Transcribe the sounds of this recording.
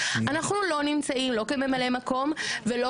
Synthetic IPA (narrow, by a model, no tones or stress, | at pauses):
anaχnulo̞nimt͡saimlo̞keme̞male̞mako̞mvelo